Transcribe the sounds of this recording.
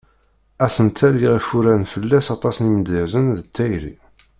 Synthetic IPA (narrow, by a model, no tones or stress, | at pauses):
æsənt̪ʰæliʁifuɾænfəlːæsɑt̪ˤɑsnimd̪əzənðət̪ːæjɾḭ